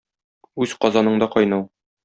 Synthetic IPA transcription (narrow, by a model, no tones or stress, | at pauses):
ʉzqɒzɑnɤɴd̪ɒqɒjnɤw